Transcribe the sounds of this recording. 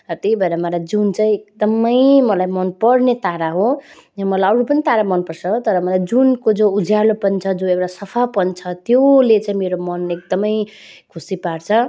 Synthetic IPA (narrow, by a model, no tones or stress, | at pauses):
rʌt̪eibʱʌeɾamʌlajd͡zunt͡saĩek̚d̪ʌmʌjmʌlajmʌnpʌɽnet̪aɾaɦo | mʌlaʌɾupʌnit̪aɾamʌnpʌrt͡sʰʌt̪ʌɾʌmʌlajd͡zunkod͡zoud͡zʱjalopʌnt͡sʰʌd͡zõewɽasʌpʰapʌnt͡sʰʌt̪jolet͡sãĩmeɾomʌnek̚d̪ʌmʌj | kʰusipaɽt͡sʰʌ